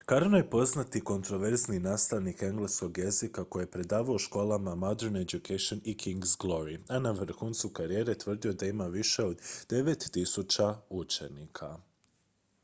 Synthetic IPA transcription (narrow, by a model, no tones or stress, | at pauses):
kaɾnojepo̞znat̪iko̞nt̪ɾo̞ʋe̞ɾzninaːst̪aʋnike̞ŋɡlesko̞ɡje̞zikako̞jejepɾe̞d̪aːʋaoʃko̞ːlˠamamod̪eɾned͡ʒukeʃonikʰiŋɡzɡlˠo̞ɾianaʋr̩xuːnt̪sukaɾije̞ːɾe̞t̪ʋər̩d̪io̞d̪aimaʋiʃeod̪d̪̥e̞ʋe̞t̪ːisut͡ʃaut͡ʃe̞nikʰa